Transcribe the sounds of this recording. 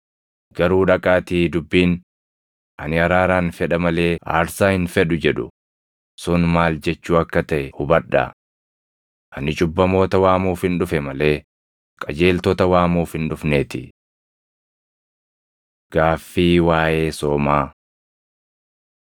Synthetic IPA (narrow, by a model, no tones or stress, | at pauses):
ɡ̥ɐɾuːᶑɐkʼaːt̪iːd̪ʊbːiːn | ʔɐnɪɐɾaːɾaːnfɛᶑɐmɐle̞ːa̰ːɾsaːhɪnfɛᶑʊd͡ʒɛᶑʊ̰ | sʊnmaːld͡ʒɛt͡ʃːuːɐkːɐt̪ɐʔɛhʊbɐᶑːɐ̰ | ʔɐnɪt͡ʃʼʊbːɐmo̞ːt̪ɐwaːmuːfhɪnᶑʊfɛmɐle̞ː | kʼɐd͡ʒe̞ːlt̪ɔt̪ɐwaːmuːfɪnᶑʊfneːt̪ɪ | ɡ̥aːfːiːwaːje̞ːsoːmaː